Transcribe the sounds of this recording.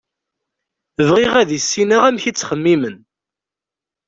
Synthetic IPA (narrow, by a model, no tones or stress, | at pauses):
əvʁiʁæðisːinaʁæmçit͡sːχəmːimən